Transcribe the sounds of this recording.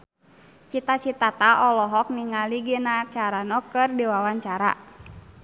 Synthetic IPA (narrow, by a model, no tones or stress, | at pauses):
t͡ʃit̪at͡ʃit̪at̪aʔɔlɔɦɔk̚niŋaliɡenat͡ʃaɾanɔkɨrdiwawaɲt͡ʃaɾa̰